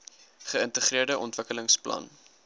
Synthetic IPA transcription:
χəəntəχriərdəʔɔntv̥əkələŋsplɐ̰n

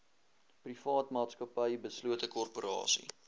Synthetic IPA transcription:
prifɑːtmɑːtskɐpəjbəsluətəkɔrpoɾɑ̰ːsḭ

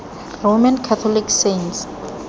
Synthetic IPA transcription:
romankʰat̪ʰɔlikʰsents

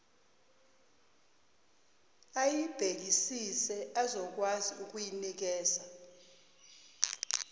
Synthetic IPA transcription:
ajib̥ʱek̬isisɛazɔk̬waziuk̬ujinik̬ɛːza

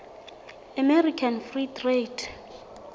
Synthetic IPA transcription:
amɛɾikʰanfritʰʼretʰ

